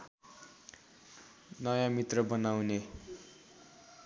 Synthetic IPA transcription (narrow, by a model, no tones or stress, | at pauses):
nʌjãmit̪rʌbʌnawne